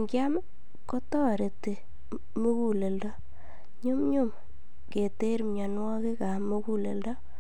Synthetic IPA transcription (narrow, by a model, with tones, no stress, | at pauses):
ŋɡja˦m | kɔ˦tɔ˦˨ɾe˨te˨ | mu˦ku˦le˨ldɔ˦ | ɲu˦mɲu˦m | ke˨te˦ɾmɲa˨nwɔ˦ki˦ka˨mu˦ku˦le˨ldɔ˦